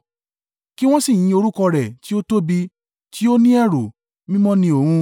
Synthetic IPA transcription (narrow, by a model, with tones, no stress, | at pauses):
ki˦w̃ɔ̃˦si˦˨j̃ĩ˧o˧ɾu˦kɔ˧ɾɛ˨ti˦o˦to˦bi˧ | tʰi˦o˦nĩ˦ɛ˦˨ɾo˨ | mĩ˦mɔ̃˦nĩ˧o˦˨hũ˧